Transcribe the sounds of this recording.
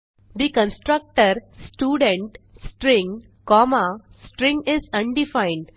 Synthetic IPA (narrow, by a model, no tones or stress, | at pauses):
d̪ikə̃nsʈɾək̚ʈəɾsʈjuːɖẽɳʈ | sʈɾɪ̃ŋ | kɔːma | sʈɾɪ̃ŋɡɪzɐ̃ɳɖifãɪ̃ɳɖ